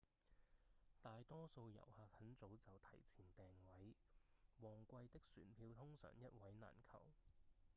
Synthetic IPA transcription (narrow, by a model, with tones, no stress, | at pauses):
t̪aː˨jt̪ɔː˥so˧wjɐ̰˨˩whaː˧k̚hɐ˨˥nt͡so˨˥wt͡sɐ˨wt̪ʰɐ˨˩jt͡sʰiː˨˩nt̪ɛː˨˩ŋwɐ˨˥j | wɔː˨ŋkʷɐ˧jt̪ɪ˥k̚sy̰ː˨˩npʰiː˧wt̪ʰʊ˥ŋsœ̰ː˨˩ŋjɐ˥t̚wɐ˨˥jna̰ː˨˩nkʰɐ̰˨˩w